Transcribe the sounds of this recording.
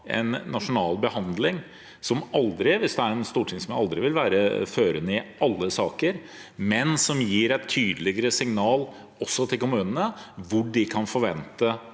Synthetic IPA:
ɛ̰nːɑʂʊnɑːlbəhɑnd̪lɪŋ | sɔmɑld̪ɾɪʋɪsd̪ɛæɾɛnst̪uːʈʰɪŋsɔmjæɪɑld̪ɾɪʋɪlʋæːɾəføːɾənəɪʔɑlːəsɑːkəɾ | mɛnsɔmjiːɾæɪt̪ʰːyːd̪əlɪɡəɾəsɪŋnɑːl | ɔsːɔt̪ʰɪlkʊmʉːnənəʋʊɖɪkʰɑnfɔɾʋɛnt̪ə

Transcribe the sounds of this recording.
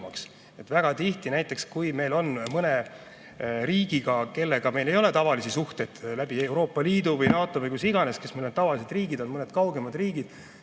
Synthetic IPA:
mɑks | et̪væɡ̥ɑt̪iht̪inæjt̪ːˑe̞kskujme̞jlo̞nmɤne̞ | ɾiːɡ̥iɡɑke̞lːe̞ɡ̥ɑme̞jle̞jo̞le̞t̪ɑvɑlisisuht̪ejd̪læb̥ie̞wɾo̞ːpːˑɑliːd̪uvɯjnɑːt̪ˑo̞vɯjkusiɡ̥ɑne̞skesmelont̪ɑvɑlise̞d̪̥riːɡid̪o̞nmɤne̞d̪̥kɑwɡ̥e̞mɑd̪̥riːɡ̥id̪̥

